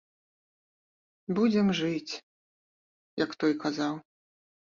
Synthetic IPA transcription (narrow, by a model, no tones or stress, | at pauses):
bud͡zʲɛmʐɨt͡sʲ | jɐkt̪ɔjkazaw